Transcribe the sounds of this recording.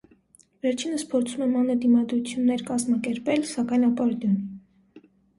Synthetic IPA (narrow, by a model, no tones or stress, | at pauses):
vɛɾt͡ʃʰinəspʰɔɾt͡sʰumɛmɑnəd̪imɑd̪ɾut͡sʰjunːɛɾkɑzmɑkɛɾpɛlsɑkɑjnɑpɔɾd̪jɔni